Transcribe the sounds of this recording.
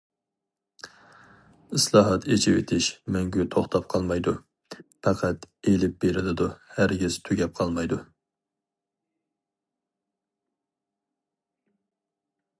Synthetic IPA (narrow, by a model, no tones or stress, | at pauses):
ɨslˠɑːɦɑt̪ʰet͡ʃʰɪwḛt̪ʰɪʃmɛŋɡʲyt̪ʰoχt̪ʰɑp̚qʰɑlˠmɑjd̪u | pʰɑqʰæt̪elɪp̚beɾɪlɪd̪uhæɾɡʲiz̥t̪ʰyɡʲɛp̚qʰɑlˠmɑjd̪u